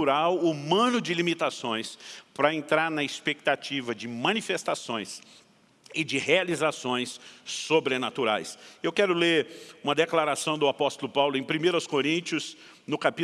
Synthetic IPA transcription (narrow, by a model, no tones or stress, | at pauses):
uɾawumɐ̃nʊd͡ʒɪlimit̪asõj̃spɾɐẽnt̪ɾaɾnɐɪspek̚t̪at͡ʃivɐd͡ʒɪmɐ̃nifest̪asõj̃s | ɪd͡ʒɪhealizasõj̃sːobɾenat̪uɾa̰jsewkɛɾʊleɾũmɐd̪eklaɾasɐ̃w̃d̪ʊapɔst̪ʊlʊpawlʊẽj̃pɾimejɾɐʊskoɾĩnt͡ʃiʊs | nʊkapi